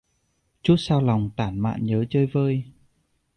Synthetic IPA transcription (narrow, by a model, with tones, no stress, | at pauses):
t͡ɕu˦˥t̚saː˧wla˨˩wŋ͡mt̪aː˧˩nma̰ː˧˨nɲəː˨˦t͡ɕəː˧jvəː˧j